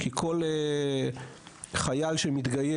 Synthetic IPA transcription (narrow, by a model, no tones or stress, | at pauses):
kʰikʰo̞le | χajalʃemit̪ɡaje